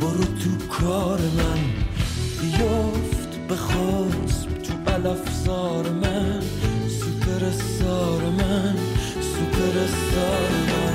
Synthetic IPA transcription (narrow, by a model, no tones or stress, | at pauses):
boɾot̪ʰukʰɒːɾemæn | bijoft̪beχost̪ʰuʔælɒfzɒːɾemæn | supʰeɾest̪ɒːɾemæn | supʰeɾest̪ɒːɾemæn